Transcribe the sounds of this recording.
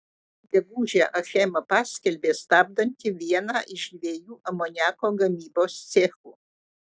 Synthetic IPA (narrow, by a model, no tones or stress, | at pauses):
ɡʲɛɡuːʒʲæʔɐxʲɛmɐpɑːsʲkʲɛlʲbʲeːst̪ɑːb̚d̪ɐnʲt̪ʲɪʋʲiɛnɑʔɪʃd̪ʲʋʲeːjuːʔɐmɔnʲæːkoːɡɐmʲiːboːst̪sʲɛxu